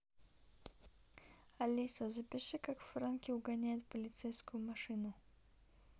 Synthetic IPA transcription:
ɐlʲisɐzəpʲɪʂɨkakfɾankʲɪʊɡɐnʲæjɪt̪pəlʲɪt̪sɛjskʊjʊmɐʂɨnʊ

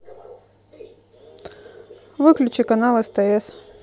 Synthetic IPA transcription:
vɨklʲʉt͡ɕɪkɐnalˠest̪ɛɛs

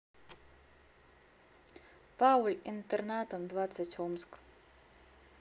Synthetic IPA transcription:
pʰawlʲint̪ʰernat̪ʰɐmdvat͡sʰːatʲʰomsk

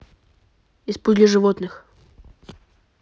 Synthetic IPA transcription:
ɪspud̪ʲlʲɪʐɨvot̪nɨx

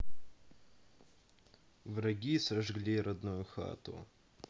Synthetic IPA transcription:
vɾɐɡʲisɐʐɡlʲiɾɐd̪nujʊxa̰t̪ʊ̰

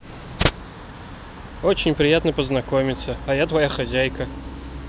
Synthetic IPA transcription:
ot͡ɕɪnʲpɾʲɪjat̪nəpəznɐkomʲɪt̪səajat̪vɐjaxazʲajkə

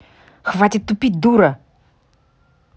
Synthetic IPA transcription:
xvatʲɪt̪ːʊpʲit̚ʲd̪uɾə

